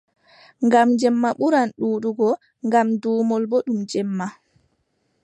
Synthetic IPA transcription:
ŋɡamd͡ʒɛmːaɓuɾanɗuːɗuɡɔ | ŋɡamduːmɔlboɗumd͡ʒɛmːa

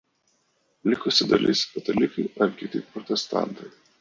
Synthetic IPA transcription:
lʲɪkʊsʲɪd̪ɐ̰lʲʔɪ̰skɐt̪ʲɐlʲɪkɐɪɐɾkʲɪt̪ʲɪpɾɔt̪ʲɛst̪ɑ̰ˑnt̪ɐɪ

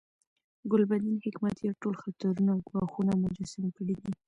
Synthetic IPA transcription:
ɡʊlbad̪inhɪkmat̪jawʈolxat̪aɾunaɡwɑxunamʊd͡ʒasɪmkəɽid̪i

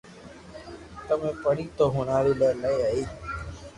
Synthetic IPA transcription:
t̪əmẽːpəɽiːt̪oːɦʊnaːɾiːləːlaiaːiː

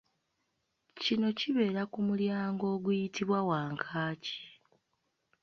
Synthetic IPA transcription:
cino̞ciβe̞ːɾakumuljaːŋɡo̞ːɡujitiβwawaːŋkʰaːci̥

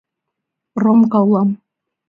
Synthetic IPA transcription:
romkɑwlˠɑm

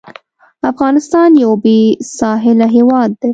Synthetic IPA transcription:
afɣɑnɪst̪ɑnjawbesɑɦɪlaɦewɑd̪̚ːe

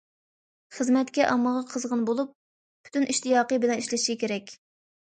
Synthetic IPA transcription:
χəzmɛt̪kʲɛʔɑmːəʁɑqʰəzʁənbolˠupʰː | y̥t̪ynʔiʃt̪ijɑːqəbɪlɛniʃlɪʃikʲeɾɛkʲ

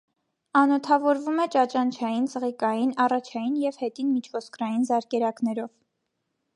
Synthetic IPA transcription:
ɑnɔt̪ʰɑvɔɾvumɛt͡ʃɑt͡ʃɑnt͡ʃʰɑjint͡səʁikɑjinɑrɑt͡ʃʰɑjinjɛv̥hɛt̪inmit͡ʃʰvɔskɾɑjinzɑɾkɛɾɑknɛɾɔv

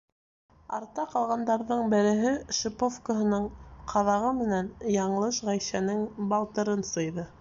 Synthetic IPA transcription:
ɑ̰ɾt̪ɑqɑlˠʁɑnd̪ɑɾðɤɴbɘ̆ɾɘ̆ɦɘʃɘ̆pofkəɦɤ̆nɤɴqʰɑðɑʁɤmɘ̆nænjɑɴɤlˠɤʃʁæjsænɘŋbɑlˠt̪ɤ̆ɾɤnsɤ̆jðɤ

